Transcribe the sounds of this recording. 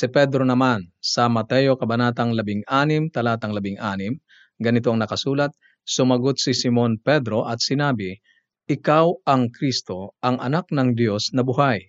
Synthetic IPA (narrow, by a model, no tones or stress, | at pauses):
sɪpɛd̪ɾo̞nɐmansɐmɐt̪ɛjo̞kɐbɐnaːt̪ɐŋlɐbɪŋʔaːnɪmt̪ɐlaːt̪ɐŋlɐbɪŋʔaːnɪm | ɡɐnɪt̪oɐŋnɐkɐsuːlɐt̪̚ | sʊmɐɡot̪̚sɪsɪmo̞npɛd̪ɾo̞ʔɐt̪̚sɪnaːbɪ | ʔɪkawɐŋkɾist̪o̞ʔɐŋʔɐ̰nak̚nɐŋd̪jo̞snɐbʊɦaj